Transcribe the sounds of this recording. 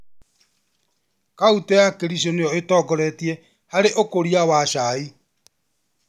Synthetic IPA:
kautɔjakeɾisonejɔetɔɡɔɾɛtie | haɾeʔokoɾiawaʃai

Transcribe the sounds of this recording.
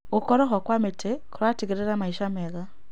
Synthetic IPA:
ɣukɔɾɔxɔkwametʰekuɾwatiɣeɾeɾamaiʃamɛɣa

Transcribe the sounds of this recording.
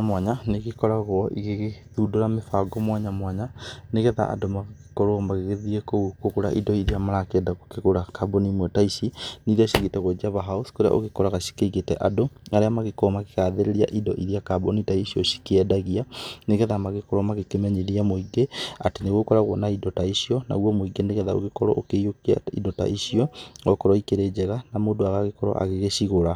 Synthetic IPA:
mwaɲaneɣekɔɾaɣwɔʔḭɣeɣeðudoɾamefaɡɔmwaɲamwaɲaneɣeða̰ʔa̰domaɣekɔɾomaɣeɣeðiekoukokoɾa̰ʔidɔiɾiamaɾakeɛdaɣokeɣoɾakabonimwɛtaiʃiniɾiaʃiɣetɛɣwɔd͡ʒiaβaɦauskoɾea̰ʔo̰ɣekɔɾaɣaʃi̥keiɣetɛ̰ʔadoaɾeamaɣekɔmakeɣaːðeɾeɾia̰ʔidɔʔiðiakabonitaiʃiɔʃi̥keɛdaɣianeɣɛðamaɣekɔɾɔmaɣekemɛɲeɾiamoiɡeateneɣokɔɾaɣwɔnaidɔtaiʃiɔna̰uwɔmoiɡeneɣɛðao̰ɣekɔɾɔ̰ʔokejokia̰ḭdɔta̰ʔiʃiɔɔkɔɾɔikeɾed͡ʒɛɣanamoːdoaɣaɣekɔɾɔ̰ʔa̰ɣeɣeʃiɣoɾa

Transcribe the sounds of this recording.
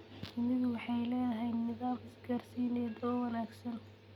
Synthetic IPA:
mɪðʊwɑħɑjlɛːðɐɦɛjnɪðaːmɪsɡarsiːnɛːd̪ɔːwɑnaːɡsɐn

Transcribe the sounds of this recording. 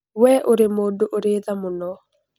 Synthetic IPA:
wɛʔoɾemodoʔoɾeðamunɔ

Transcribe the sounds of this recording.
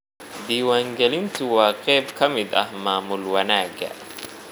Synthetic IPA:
d̪iːwaŋɡɛlɪnt̪ʊwaːkʼɛːbkʰɐmɪd̪ɐ̰maːmʊlwɐnaːɡɐ̰

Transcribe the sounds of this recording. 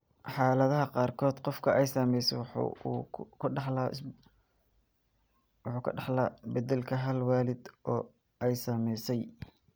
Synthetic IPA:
ħɑːlɐðɐɦɐqɑːrkʰɔːd̪qɔfkʰɐʔɛjsɐːmɛjsɛwħkʰʊɑħla | wħuːkʰħlabɐd̪ɛlkʰɐɦɐlwaːlɪd̪ʔɔː | ɛjsɐːmɛjsɛj

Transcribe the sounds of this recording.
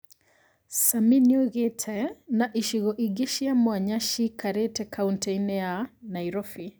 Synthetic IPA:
saminjoɣetʰɛnaʔiʃiɣɔʔiɡeʃiamwaɲaʃikʰaɾetɛkʰawntɛjnɛanajɾɔfi

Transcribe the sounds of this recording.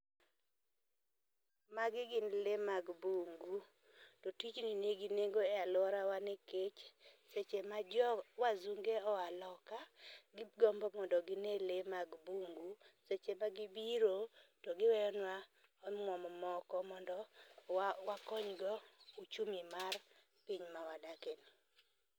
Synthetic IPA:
maɡɪɡɪnlemaɡbuŋɡu | tɔtit͡ʃnineɡineɡoealwɔɾawaneket͡ʃset͡ʃemad͡ʒɔwazuŋɡeɔwalɔkaɡɪɡɔmbɔmɔndɔɡɪnelemaɡbuŋɡuset͡ʃemaɡibiɾotɔɡɪwɛɔnwa | ɔmwɔmɔmɔkɔmɔndɔ | wakɔɲɡɔut͡ʃumimar | piɲmawadakeni

